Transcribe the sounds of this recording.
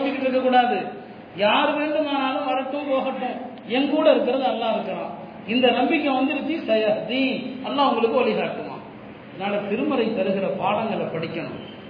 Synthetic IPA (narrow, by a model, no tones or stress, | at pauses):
t͡ʃːɪkːɪʈːɪɾɯkːɐkːuːɽaːðɯ | jaːɾʋeːɳɖɯmaːnaːlɯ̃ʋɐɽɐʈːʊ̃mpoːɣɐʈːʊ̃ | ɛŋkuːɽɐɪɾɯkːɯɾɐðɯɐlːãːɪɾɯkːɐɾã̰ː | ɪnd̪ɐnɐmbɪkʲːɐ̃ʋɐnd̪ɯɪɾɯt͡ʃ̪ːisɐjɐɦɐt̪iɐlːaːʊŋɡɐɭɯkːɯʋɐlɪɣaːʈːɯma̰ː | naːlɐt̪ɪɾɯmɐɾɐɪp̪ɛɾɯɣɪɾɐpaːɽɐŋɡɐɭɐpɐɽɪkʲːɐɳʊ̰̃